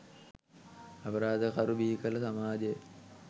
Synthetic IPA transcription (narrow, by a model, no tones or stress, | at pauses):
ɐpəɾaːd̪əkaɾubiɦikəlɐsamaːd͡ʒejə